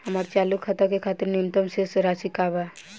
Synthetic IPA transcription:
həmaːɾt͡ʃaːlukʰːat̪akekʰaːt̪ɪɾnimt̪əmsesɾasikaba

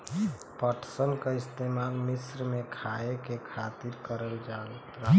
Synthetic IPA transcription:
pəʈʰsənkəist̪emalmisɾmekʰaekekʰat̪iɾkəɾəld͡ʒat̪ɾa

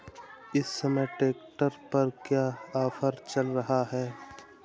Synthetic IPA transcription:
ɪsːɐməʈeːk̚ʈəɾpɐɾkjaːaːfəɾt͡ʃɐlɾɐɦaɦɛː

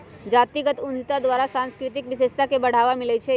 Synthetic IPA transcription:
d͡ʒaːt̪iɡət̪ʊnd͡ʒ̪ʱit̪ad̪ʋaːɾasãːnskɾɪt̪ɪkʋɪʃeːʃt̪akebɐɽ̤aːʋamɪlət͡ʃʰe

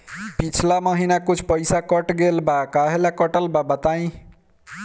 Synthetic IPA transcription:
pit͡ʃʰlamʌɦinakut͡ʃʰpʌjsakʌʈɡelbakaɦelakʌʈʌlbabʌt̪aĩ

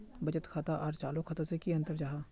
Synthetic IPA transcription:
bɐt͡ʃət̪kʰaːt̪aʔɔːɾt͡ʃaːlokʰɐt̪asekiə̃nt̪əɾd͡ʒaːɦaː

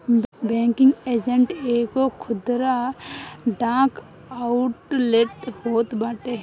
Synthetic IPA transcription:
bɛ̃ːŋkɪ̃ŋɡeːd͡ʒə̃ɳʈeːkokʰʊd̪ɾa | ɖãːk | aʊʈleʈhoːt̪baːʈeɦ

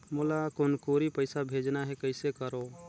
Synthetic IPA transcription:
mulakonkoɾipəɪsabʱed͡ʒnaɦɛkəɪsekəɾo

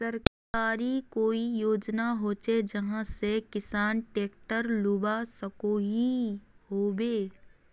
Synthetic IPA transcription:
sɐɾk | aːɾikoːijoːd͡ʒnaɦoːt͡ʃed͡ʒɐɦãsekɪsaːnʈeːk̚ʈəɾlʊbasɐkoɦihoːbeː

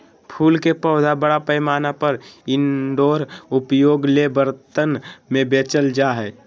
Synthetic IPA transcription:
pʰuːlkepəːd̪ʱabəɽapəjmaːnapəɾɪnɖoːɾʊpjoːɡlebəɾt̪ənmẽbeːt͡ʃəld͡ʒaɦɛː

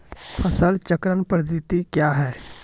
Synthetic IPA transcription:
pʰəsəlt͡ʃəkɾənpɾd̪it̪ikjaːɦɛː

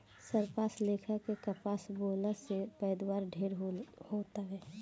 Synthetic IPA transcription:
səɾpaːsleːkʰəkekəpaːsboːləsepɛːd̪waːɾɖʱeːɾhot̪aɦɛː

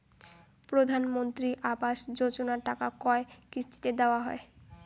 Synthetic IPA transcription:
pɾod̪ʱanmont̪ɾiʔabaʃd͡ʑod͡ʑonaʈakakɔekɾist̪ʰi̥t̪ed̪eoaɦɔe

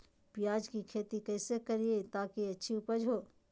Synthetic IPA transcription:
pijaːd͡ʒkikʰeːt̪ikɛːsekɐɾiet̪aːkiɐtːʃʰiuːpəd͡ʒɦoː

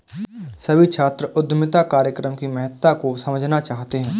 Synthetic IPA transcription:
sɐbʱit͡ʃʰaːt̪ɾəʔʊd̪mɪt̪akaːɾjəkɾəmkimɛɦət̪ːakosɐməd͡ʒʱnat͡ʃaːɦt̪eɦɛ̃ː

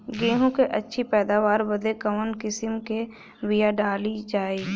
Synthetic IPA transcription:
ɡẽːɦõkeʔətːʃʰipɛːd̪aːʋaːɾbəd̪ʱekəmənkɪsɪmke | wijaɖaːlid͡ʒaːeɡ

